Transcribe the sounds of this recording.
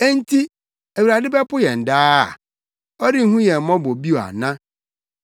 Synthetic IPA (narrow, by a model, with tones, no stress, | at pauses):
e˦n˦tʰi˦ | æ˨wu˨ɾa˨dɪ˦bɛ˦pʊ˦jɛ˨n̩˨daː˦a̰˨ | ɔ˦dɪ˦ŋ̩˦hũ˦jɛ˨mɔ̃˦bo˨bi˦o˨a̰˨nã˦